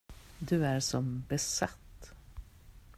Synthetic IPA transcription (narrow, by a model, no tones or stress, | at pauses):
d̪ɵæɾʂɔmbɛsat̪ː